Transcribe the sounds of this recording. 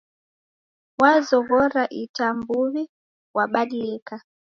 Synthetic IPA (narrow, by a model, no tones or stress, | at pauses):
wazɔɣɔɾaʔitambuβi | waɓaɗiɛka